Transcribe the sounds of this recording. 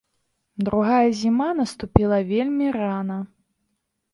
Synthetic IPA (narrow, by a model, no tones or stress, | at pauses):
d̪ɾuɣajɐzʲimanɐst̪upʲilˠɐvʲelʲmʲiranɐ